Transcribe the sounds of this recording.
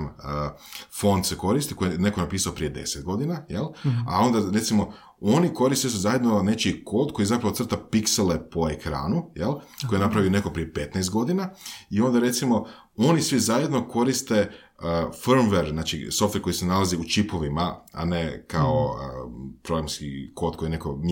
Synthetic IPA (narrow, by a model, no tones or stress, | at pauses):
mə | fo̞nd̪seko̞ɾist̪ikojene̞konapiːsaopɾiːje̞d̪e̞̰set̪̚ɡo̞d̪inajela̰o̞nd̪aɾe̞t̪simo̞ | oniko̞ɾist̪is̬uzaje̞d̪none̞t͡ʃiko̞ːd̪ko̞jizapɾaʋot̪sr̩t̪apikselepo̞ekɾa̰ːnujelko̞jenapɾaʋione̞kopɾijepe̞t̪naːst̪ɡo̞d̪inaio̞nd̪aɾe̞t̪simo̞ | o̞nisʋizajed̪no̞ko̞ɾist̪e̞ | əfɾmʋeɾznaːt͡ʃḭso̞ft̪eɾko̞jisenalaziut͡ʃipo̞ʋimaa̰nekaoəpɾoɡɾamskḭko̞d̪̚ko̞jiene̞kom